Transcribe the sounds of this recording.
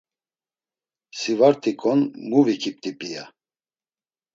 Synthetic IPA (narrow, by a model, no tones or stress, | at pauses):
sivaɾt̪ʼikʼɔnmuvikʰip̚t̪ʼipʼija